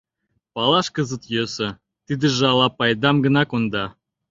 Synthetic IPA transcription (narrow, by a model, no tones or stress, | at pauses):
pɑlɑʃkəzət̪jøsə̆ | t̪id̪ə̆ʒeɑlɑpɑjd̪ɑmɡə̆nɑkond̪ɑ